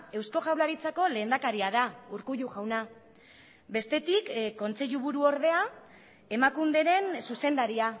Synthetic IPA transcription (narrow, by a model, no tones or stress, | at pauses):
e̞wsko̞ʝawlaɾit͡sako̞le̞ːnd̪akaɾiaðauɾkuʎuɣawna | be̞st̪e̞t̪ikkːo̞nt͡se̞ʎuβuɾuo̞ɾðe̞a | e̞makund̪e̞ɾe̞nsuse̞nd̪aɾia